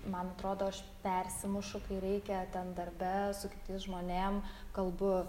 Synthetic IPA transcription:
mɐnɐt̪ɾoːd̪oːɐʃ | pʲɛɾʲsʲɪmʊʃʊkɐɪɾʲɛɪkʲɛt̪ʲɛnd̪ɐɾʲbʲɛsʊkʲɪ̥t̪ʲɪːsʒmoːnʲeːmkɐlˠbʊ

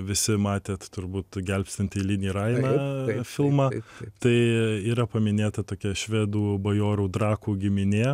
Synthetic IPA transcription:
ʋʲɪsʲɪmɑːt̪ʲeːt̪t̪ʊɾbuːt̪ɡʲɛlʲpʲsʲt̪ʲɪnʲt̪ʲɪlʲɪnʲiːɾɐɪnɑfʲɪlˠmɑːt̪ɐɪiːɾɐpɐmʲɪnʲeːt̪ɐt̪oːkʲɛʃʲʋʲeːd̪uːbɐjoːɾuːd̪ɾɑːkuːɡʲɪmʲɪnʲeː

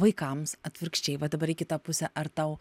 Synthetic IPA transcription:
ʋɐɪkɐmsɐt̪ʲʋʲɪɾkʃʲt͡ʃʲɛɪʋɐd̪ɐbɐɾɪkʲɪt̪ɐpʊsʲɛʔɐɾt̪ɐʊ

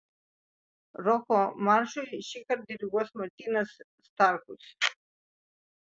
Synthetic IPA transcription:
ɾɔkɔmaɾʃuʃikaɾd̪iɾiɡɔsmat̪inasː | t̪aɾkus

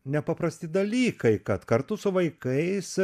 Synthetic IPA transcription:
nʲɛpɐpɾɐsʲt̪ʲɪd̪ɐlʲiːkɐɪkɐt̪kɐɾt̪ʊsʊʋɐɪkɐɪs

